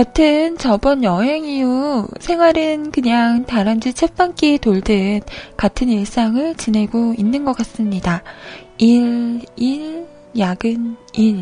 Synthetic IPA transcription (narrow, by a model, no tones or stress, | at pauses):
katʰɯnt͡ɕʌbʌnjʌɦeŋijusʰe̞ŋwaɾɯnkɯɲaŋtaɾand͡ʑit͡ɕʰep͈ank͈itoɭdɯnkatʰɯniɭs͈aŋɯɭt͡ɕine̞ɡoinːɯnɡʌk͈as͈ɯmɲidaiɭiɭ | jaɡɯniɾ